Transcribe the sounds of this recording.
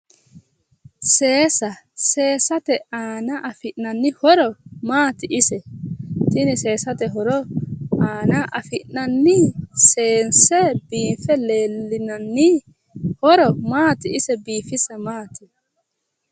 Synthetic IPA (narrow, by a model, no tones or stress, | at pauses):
seːsɐ | se̞ːsɐt̪ɛaːnɐʔɐfɪʔnɐnːɪhɔɾɔmaːt̪ɪʔɪsɛt̪ɪnɪse̞ːsɐt̪ɛɦɔɾɔaːnɐʔɐfɪʔnɐnːɪseːnsɛbiːfɛle̞ːlːɪnɐnːɪ | hɔɾɔmaːt̪ɪɪsɛbiːfɪsɐmaːt̪ɪ